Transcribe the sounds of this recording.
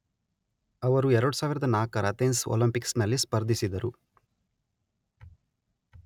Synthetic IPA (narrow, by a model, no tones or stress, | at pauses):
ɐʋɐɾuɛɾɐɽusaːʋiɾɐd̪ɐnaːkɐɾɐt̪enso̰lɐmpiksnɐlːispɐɾd̪ʱisid̪ɐɾu